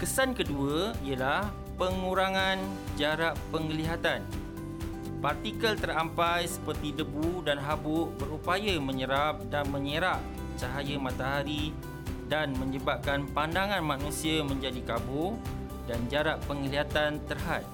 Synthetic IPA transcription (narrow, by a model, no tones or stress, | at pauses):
kəsankəduəiəlah | pəŋũɾaŋãn | d͡ʒaɾaʔpəŋəliɦat̪an | part̪ikəlt̪ərampajsə̥pərt̪idəbudanɦabʊʔbəɾupajəməɲəɾap̚danmə̃ɲəɾaʔ | t͡ʃaɦajəmãt̪aɦaɾi | danmə̃ɲəbap̚kanpandaŋãnmãnũsiamə̃ɲd͡ʒadikabʊ | dand͡ʒaɾaʔpəŋəliɦat̪ant̪ərɦat̪̚